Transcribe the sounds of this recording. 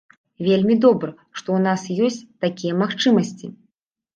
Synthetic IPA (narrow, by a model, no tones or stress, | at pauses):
vʲelʲmʲid̪ɔbɾɐ | ʂt̪ɔwnasjɔsʲt͡sʲt̪akʲijɛmaxt͡ʂɨmɐsʲt͡sʲi